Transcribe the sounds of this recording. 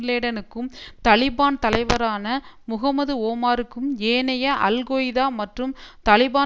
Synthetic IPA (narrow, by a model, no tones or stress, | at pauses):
leːɽɐnɯkːɯmt̪ɐlɪbaːnt̪ɐlɐɪʋɐɾaːnɐ | mʊɣɐmɐðɯoːmaːɾɯkːɯmeːnɐjɐʔɐlɣoːjɪðaːmɐʈrɯmt̪ɐlɪbaː